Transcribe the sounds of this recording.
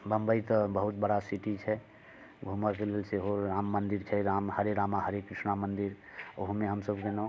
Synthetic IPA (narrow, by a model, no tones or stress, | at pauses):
bəmbəjt̪əbəɦut̪̚bəɽasiʈit͡ʃʰɛ | ɡʱuməɾkelelseɦoɾamːənd̪iɾt͡ʃʰɛɾamhəɾeɾamaɦəɾekːɾisnamənd̪iɾoɦumeɦəmsəbkenɔ